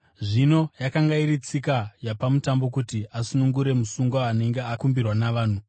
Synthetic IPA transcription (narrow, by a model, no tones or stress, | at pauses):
ʐino̞jakaŋɡairit͡sikajapamutambo̞kutiʔasunuŋɡuɾe̞musuŋɡwaːne̞ŋɡe̞akumbirwanaʋaːn̤u